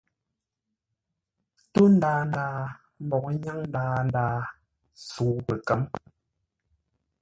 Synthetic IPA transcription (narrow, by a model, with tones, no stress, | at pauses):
to˦n˦daː˨n˨daː˨˦ | m˦bɔ˨ŋ˦ɲa˦ŋn̩˦daː˨n˦daː˨˦ | suː˨˦pə˨kɛ˨˦m